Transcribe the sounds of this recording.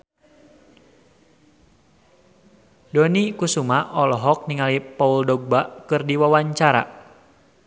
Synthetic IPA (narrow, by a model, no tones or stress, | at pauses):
dɔnikusumaʔɔlɔɦɔk̚niŋalipɔuldɔɡ̚baʔkɨrdiwawaɲt͡ʃaɾa̰